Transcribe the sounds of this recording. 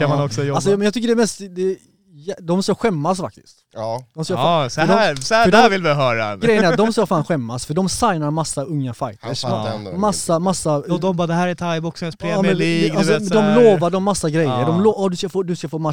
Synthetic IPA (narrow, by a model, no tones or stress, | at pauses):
kamanɔksɔjɔalsɔmɛnjɑːt̪ʰʏk̬ːəɖɛmɛst̪d̪ɛ | jɛd̪ɔmskaɧɛmːasfa̰k̚t̪ɪ̥̰skt̪ːd̪ɔmskadɔsfd̪ævɪlvɪɦœːɾa̰ɡɾɛjːəɛɾat̪d̪ɔmskafaːnɧɛmːasfœɖɔmsajnaɾmasːaɵŋːafajt̪əɾmasːamasːaɔd̪ɔmbɑːd̪ɛhæːɾɛt̪ʰajbɔksmɛspʰɾeɛliɡasɔd̪ɔmloːvaɖɔmːasːaɡɾɛjːəd̪ɔmloːʔɔd̪ɵskafoːd̪ɵskafoːma